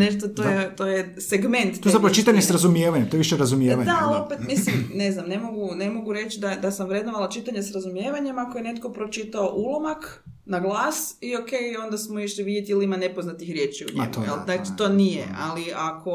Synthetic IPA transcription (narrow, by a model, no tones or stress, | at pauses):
neʃt̪ot̪ojet̪oje | seɡme̞nt̪ːoezapɾaot͡ʃit̪aɲesɾazumjeʋaɲemt̪ojʋiʃeɾazumjeʋaɲd̪aalopet̪mislimne̞znamne̞mo̞ɡune̞mo̞ɡuɾe̞t͡ʃid̪ad̪asamʋɾed̪noʋalˠat͡ʃit̪aɲesɾazumjeːʋaɲe̞mako̞jenet̪ko̞pɾo̞t͡ʃit̪aoʔulˠomak | naɡlˠaːsio̞ke̞jo̞nd̪asmoiʃliʋid̪jet̪iiliimane̞poznat̪ixɾʲje̞ːt͡ʃiṵɲ̰mjḛlat͡ʃi̥t̪o̞ːnijḛaliako̞